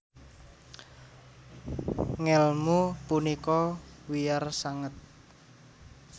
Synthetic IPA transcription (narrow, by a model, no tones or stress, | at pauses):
ŋɛlmupunikɔwijarsaŋət̪̚